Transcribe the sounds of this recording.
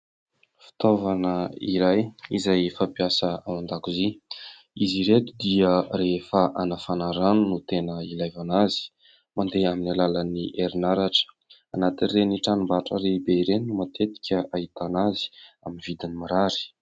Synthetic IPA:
fi̥t̪ovanəiɾajizajfapiasəawand̪akuzi | iziɾet̪ud̪iəɾefaʔanafanaɾanunut̪enəilajvanazi̥ | mand̪eaminalalaniʔeɾinaɾaʈ͡ʂə̥ | anat̪inreniʈ͡ʂanumbaʈ͡ʂəɾebeiɾeniumat̪et̪i̥kʲəait̪anazi̥aminvid̪inimaɾaɾi̥

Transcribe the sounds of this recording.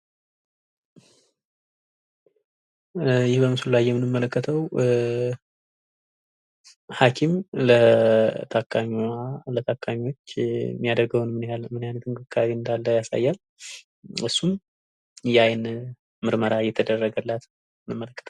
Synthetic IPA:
jɪhbəmɨsulːajːɛmːɨnɨmːələkːət̪ʰəw | hakʰimlət̪ʰakʰamlət̪ʰakʰːamiwo̞t͡ʃːmːijad̪əɡəwnmɨnalmɨnajnət̪ɨŋkʰɨkʰːaβiɨnd̪alːəjasa̰jːal | ɨsːum | jɛajn | mɨɾməɾajɛt̪ʰəd̪ərːəɡəlːat̪ | mɨnɨmːələkːə̥t̪ʰəw

